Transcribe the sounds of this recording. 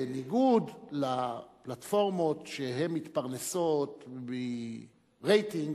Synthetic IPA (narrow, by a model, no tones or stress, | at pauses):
niɡudlaplat̪fo̞ʁmo̞tʃeɦe̞mːit̪paʁneso̞tbe | ʁejt̪iŋ